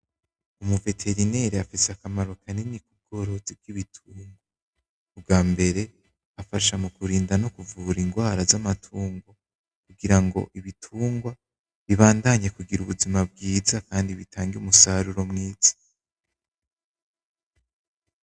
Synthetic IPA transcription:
umuve̞tʰe̞ɾine̞ɾeafiseakamaɾokʰaninikub̚ɡo̞ːɾo̞zib̚ɡ̥iβitʰuːŋɡwa | ub̚ɡaːmbe̞ɾe̞ | afaʃamukuɾiːndanokuvuːɾiŋɡwaːɾazamatʰuːŋɡo | kuɡiɾaŋɡo̞̰ʔiβitʰuːŋɡwa | βiβaːndaɲekuɡiɾuβuzimab̚ɡiːzakaːndiβitʰaːŋɡiumusaɾuɾo̞mŋiːz̥ḁ

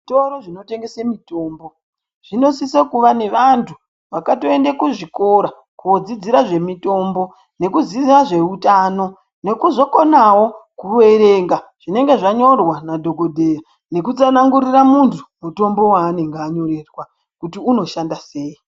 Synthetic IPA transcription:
ʐitoɾoʐino̞te̞ŋɡe̞semito̞ːmbo̞ | ʐ̥ino̞sisekuʋane̞ʋantʰu | ʋakato̞e̞ndekuʐiko̞ɾa | kuod͡zid͡ziɾaʐe̞mito̞ːmbo̞ | ne̞kuziaʐe̞utaːno̞ | ne̞kuzo̞ko̞nawo̞kuwe̞ɾe̞ːŋɡaʐ̥ine̞ŋɡe̞ʐaɲo̞rwanadʱo̞ɡʱodʱe̞ja | ne̞kut͡sanaŋɡuriramuntu̥muto̞mbo̞waːne̞ŋɡeaɲo̞re̞rwa | kutiuno̞ʃandase̞ːi

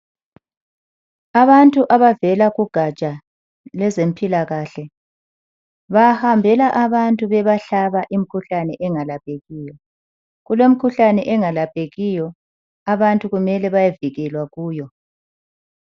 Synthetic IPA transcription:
aβantʼuʔaβavɛlaɣuɡ̥ʱat͡ʃʼa | lɛzempʰʼilaɣaɬɛ | βahambʱɛlaʔaβantʼuβɛβaɬaβaʔim̩kʰuɬanɛʔɛŋalap̚ʼeɣiːjɔ | ɣulem̩kʰuɬanɛʔɛŋalapʼeɣijɔ | aβantʼuɣumɛlɛβajaviɣɛlwaɣuːjɔ

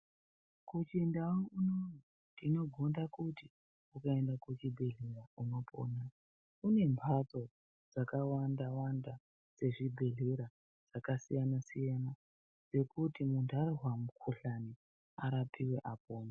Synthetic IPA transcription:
kut͡ʃindaounoni | tino̞ɡʱondakuti | ukae̞ndakut͡ʃibʱe̞ɮerauno̞po̰ːna | une̞mpʰat͡so̞ | d͡zakawandawanda | d͡ze̞ʐibʱe̞ɮeɾa | d͡z̥akasijanasijana | d͡ze̞kutimundarirwamukʰuɬani | aɾapʰiwe̞ʔapoːma

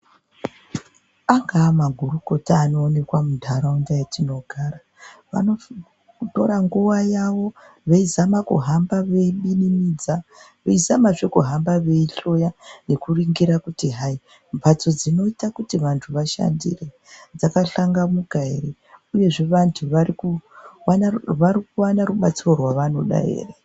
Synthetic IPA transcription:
aŋɡaːmaɡʱuɾuko̞taːno̞ːne̞kwamudʱaɾaundajatino̞ɡʱaːra | ʋa̰no̞ | to̞ɾaŋɡuʋajaʋo̞ | ʋe̞izamakṵɦambaʋe̞iɓinimid͡za | ʋe̞izamaʐekuɦambaʋe̞iɬo̞jane̞kuriŋɡiɾakutiɦai | mbʱat͡so̞d͡zino̞itakutiʋantʰuʋaʃa̰ndḭre̞ | d͡zakaɬaŋɡamukaeɾe | uje̞ʐe̞ʋantʰuʋaɾikuwanʋaɾikuwanaɾuɓat͡siro̞rwaʋano̞ɗa̰ɦḛːre

